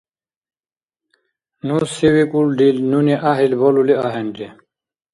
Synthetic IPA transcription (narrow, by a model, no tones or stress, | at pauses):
nusiwikulɖilnuniʔaɦilboluliaɦenʈ̪e